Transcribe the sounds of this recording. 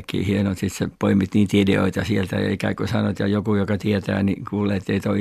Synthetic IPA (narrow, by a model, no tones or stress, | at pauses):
kːḭːhienot̪sit̪sepoimit̪niːnt̪ideo̰it̪ɑsielt̪æ̰jɑ̰ikæ̰kusɑnoet̪jɑjokujokɑt̪iet̪æ̰ːnikuːleːt̪ːeit̪oi